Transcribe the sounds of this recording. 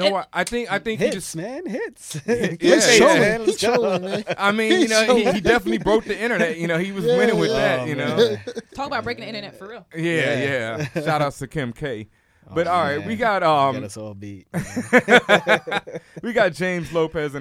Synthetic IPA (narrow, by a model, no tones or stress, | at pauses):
noʊwaʔaɪθɪ̃ŋkaɪθɪ̃ŋkhid͡ʒʌsnhɪtsjæõt͡ʃʰoɪ̃ʔaɪmĩjɨnoʊiidɛfənɨtˡlibɹoʊt̪̚ðiɪ̃ɾ̃ə˞nɛt̚jɨnoʊhiwʌzwɪ̃ɾ̃ɪ̃ŋwɨðæt̚jɨnoʊtʰɔkəbaʊt̚b̥ɹeɪkɪ̃nɪ̃ñənɛtfə˞ɪlˠjæjæʃaɾʌstʰɨkʰɪ̃mkʰeɪ | b̥ʌɾɔlˠɹaɪt̚wiɡɑt̚ʌ̃mi | wiɡɑt̚d̥ʒ̥ẽɪ̃mzloʊpɛzɨ̃